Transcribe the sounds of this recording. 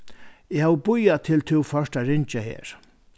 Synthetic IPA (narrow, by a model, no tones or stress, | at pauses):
ɪhaːwəbʊjat̪ʰɪlt̪ʰɪwfœʂʈaɾɪɲt͡ʃahḛːɹ